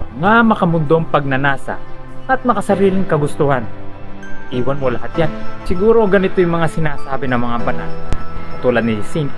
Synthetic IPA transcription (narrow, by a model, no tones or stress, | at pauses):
ŋamɐkɐmʊnd̪oŋpɐɡ̚nɐnaːsa̰ʔɐt̪̚mɐkɐsɐɾiːlɪŋkɐɡʊst̪ʊhan | ʔiːwɐnmolɐhat̪̚jansɪɡuːɾo̞ɡɐnɪt̪ojʊŋmɐŋasɪnaːsaːbɪnɐŋmɐŋabɐna̰nɐt̪uːlɐd̪nɪsin